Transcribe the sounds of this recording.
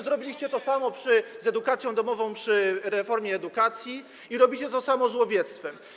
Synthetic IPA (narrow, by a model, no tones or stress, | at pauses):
zɾɔbʲilʲiɕt͡ɕɛt̪ɔsamɔpʂɘzɛd̪ukat̪sʲjɔ̃w̃d̪ɔmɔvɔ̃w̃pʂɘɾɛfɔɾmʲjɛːd̪ukat̪sʲji | iɾɔbʲit͡ɕɛt̪ɔsamɔzwɔvʲjɛt̪st̪fɛm